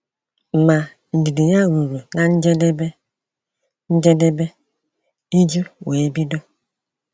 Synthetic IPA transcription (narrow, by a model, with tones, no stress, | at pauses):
m̩˨ma˨ | n̩˨di˨di˨ɲa˦ɾu˨ɾu˨na˨n̩˦d͡ʒe˦de˦be˦ | n̩˦d͡ʒe˦de˦be˦ | i˦d͡ʒu˦we˨˦bi˦do˦